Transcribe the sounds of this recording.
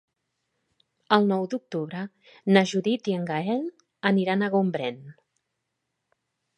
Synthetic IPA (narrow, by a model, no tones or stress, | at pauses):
əlˠnɔwd̪uk̚t̪uβɾə | naʒuðit̪iəŋɡaɛl | əniɾanəɣumbɾɛn